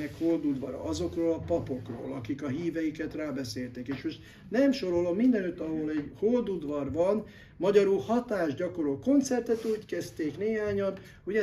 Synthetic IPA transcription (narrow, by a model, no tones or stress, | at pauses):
ɛkhold̪ud̪ʋɒɾɒ̰ʔɒzo̞kroːlɒpɒpo̞kro̰ːlɒkikɒɦiːvɛjikɛt̪raːbɛseːlt̪ɛkeːʃmo̞ʃt̪ | nɛmʃo̞ɾo̞lo̞mːind̪ɛnøt̪ːɒɦoːlɛɟhold̪ud̪ʋɒrʋɒn | mɒɟɒɾulhɒt̪aːʒɟɒko̞ɾoːko̞nt̪sɛrt̪ɛt̪uːckɛst̪eːkneːɦaːɲɒn | uɟɛ